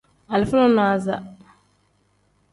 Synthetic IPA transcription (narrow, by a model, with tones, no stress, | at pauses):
a˨lɪ˨fʊ˦nɔ˦nɔ˨˦a˨za˨